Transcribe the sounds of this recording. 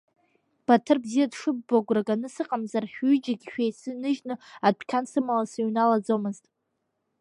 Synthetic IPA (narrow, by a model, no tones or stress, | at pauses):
b̥atʰɨrbzijadʂɨbːaɡʷraɡanɨsɨqʼamzarħʲᶣyd͡ʒaɡʲʃᶣejsɨnɨʒnɨadʷʰkʲʰansɨmalasɨɥnalad͡zomɨztʼ